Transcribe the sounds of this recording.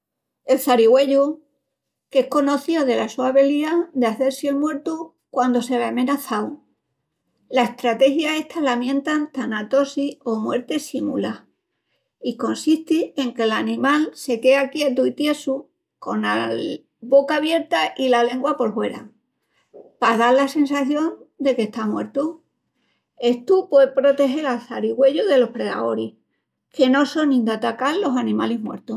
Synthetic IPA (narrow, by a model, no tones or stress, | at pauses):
e̞lθaɾiɣwe̞ʎu | kehko̞no̞θjo̞ðe̞lasuaβiliad̪eaθe̞ɾsjelmwe̞ɾt̪u | kwand̪o̞se̞βamẽ̞naθaw | lae̞ht̪ɾat̪e̞xjae̞ht̪alamjẽ̞nt̪ant̪anat̪o̞sio̞mwe̞ɾt̪e̞simula | iko̞nsiht̪ie̞ŋke̞lanĩmalse̞ke̞akje̞t̪̬uit̪je̞su | ko̞̰na | βo̞kaːβje̞ɾt̪aʔilale̞ŋɡwapo̞lhwe̞ɾa̰ŋ | paðalase̞nsaθjo̞nd̪e̞ke̞ht̪amwe̞̰ɾt̪u | e̞ht̪upwepɾo̞t̪e̞xe̞ɾalθaɾiɣwe̞ʝuðe̞lo̞hpɾe̞ða̰oɾih | ke̞no̞so̞nĩnd̪at̪akalːo̞sanĩma̰liɦmwe̞̰ɾt̪u